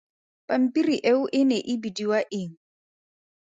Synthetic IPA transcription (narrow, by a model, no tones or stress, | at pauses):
pʼam̩pʼiɾiʔeʊʔɪnɛʔɪbidiwaʔɪŋ̩